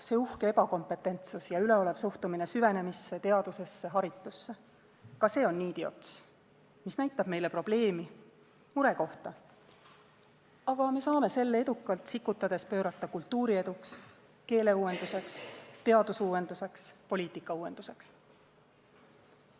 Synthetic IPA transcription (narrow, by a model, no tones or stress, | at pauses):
se̞ːuhkee̞bɑko̞mpˑe̞t̪ːˑe̞nt̪susjɑyle̞o̞le̞vsuht̪umine̞syve̞ne̞misːe̞t̪e̞ɑd̪̥use̞sːe̞ɦɑɾit̪ˑːusːe | kɑse̞ːo̞nːiːd̪io̞̰t̪s | misnæjt̪ːˑɑb̥me̞jle̞pro̞b̥le̞ːmi | muɾe̞ko̞ht̪ɑ | ɑɡ̥ɑme̞sɑːme̞se̞lːee̞d̪ukːˑɑlt̪ˑsikːˑut̪ːˑɑd̪̥e̞spø̞ːɾɑt̪ːˑɑkult̪ːuːɾie̞d̪uks | ke̞ːle̞uːwe̞nd̪use̞kst̪e̞ɑd̪̥usuwe̞nd̪use̞kspo̞lʲiːt̪ˑikːɑuːe̞nd̪̥use̞ks